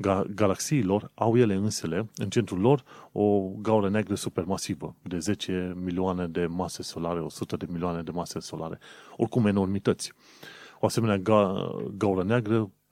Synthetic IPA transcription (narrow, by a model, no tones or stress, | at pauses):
ɡaɡalaksiːlo̞rawje̞le̞ɨnse̞le̞ɨnt͡ʃe̞nt̪ɾulːo̞ro̞ɡauɾəneaɡɾəsupe̞rmasivəd̪e̞ze̞t͡ʃe̞milioane̞d̪e̞mase̞so̞laɾeo̞sut̪əd̪e̞milioane̞d̪e̞mase̞so̞lʔa̰ɾe̞̰o̞̰rkume̞no̞rmit̪ət̪sʲ | oase̞me̞nea | ɡauɾəneaɡɾə